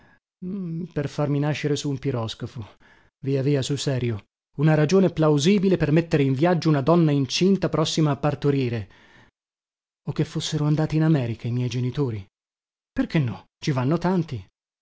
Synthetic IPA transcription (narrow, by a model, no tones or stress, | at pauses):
perfarminaʃːeɾesuːmpiɾɔskofo | viaviːasulsɛːɾjo | unaɾad͡ʒoːneplawziːbilepermet̪ːeɾeiɱvjad͡ʒːounad̪ɔnːaint͡ʃint̪apɾɔsːimaːpːart̪oɾiːɾe | ok̟ːefːosːeɾoand̪aːt̪iːnamɛːɾikaimjɛjd͡ʒenit̪oːɾi | perk̟enːɔ | t͡ʃivanːot̪ant̪i